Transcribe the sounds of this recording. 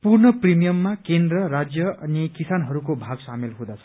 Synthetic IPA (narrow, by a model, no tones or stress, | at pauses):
purnʌprimijʌmːakend̪rʌɾad͡zjʌʌnikisanɦʌɾukobʱaɡsamelɦũd̪at͡sʰʌ̥